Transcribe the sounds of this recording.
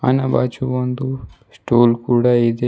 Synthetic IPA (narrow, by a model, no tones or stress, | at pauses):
ɐ̰nɐbat͡ʃuond̪u | sʈuːlkuːɽaid̪e